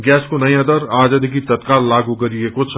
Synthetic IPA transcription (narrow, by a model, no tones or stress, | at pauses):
ɡɛːskonɐjãd̪əɾaːd͡ʒəd̪ʱik̬it̪ɐt̪kaːlːaːɡuɡɐɾiekʊt͡ʃʰ